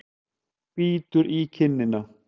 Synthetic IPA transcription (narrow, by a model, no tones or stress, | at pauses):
piːt̪uɾʔiːkʰɪnːɪna